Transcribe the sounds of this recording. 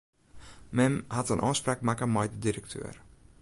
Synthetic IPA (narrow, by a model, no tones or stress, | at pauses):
mɛmhatənʔɔːsprakmakəmɛjdədiɾək̚tʰø̰ːr